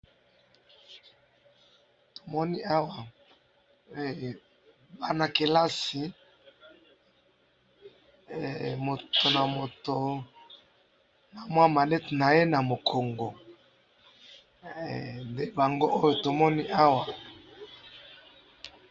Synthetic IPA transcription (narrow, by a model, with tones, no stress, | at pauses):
to̥˨mɔ˦ni˦a˦wa˨˦˨ | ba˦na˨ke˨la˦si˨ | mo˨to˨na˨mo˨to˨ | na˨mwa˦ma˨lɛ˦tna˨je˦na˨mo˨kʰo˨ŋɡo˨ | nde˦ba˨ŋɡo˦ʔo˦jo˨to˨mɔ˦ni˦ʔa˦wa˨